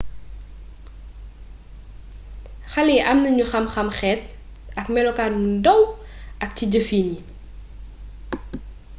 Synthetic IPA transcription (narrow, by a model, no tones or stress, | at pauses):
xɐlɛːʔɐmnɐɲuxɐmxɐmxɛːt̚ | ɐkmɛlɔkaːnmudɐw | ʔɐk̚ciɟəfiːnji